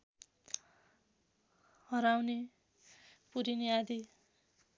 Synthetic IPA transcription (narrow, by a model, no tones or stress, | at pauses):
hʌɾawne | puɾiniad̪i